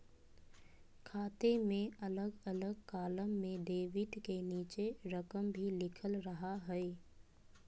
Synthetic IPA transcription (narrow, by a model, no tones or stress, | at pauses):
kʰaːt̪emẽɐləɡɐləɡkaːləmːẽɖeːʋɪʈkeniːt͡ʃeɾəkəmbʱilɪkʰəlɾɐɦaɦɛe